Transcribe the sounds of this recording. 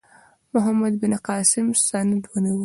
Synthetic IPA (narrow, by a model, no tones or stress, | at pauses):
mʊɦamad̪bɪnqɑːsɪmsand̪waniw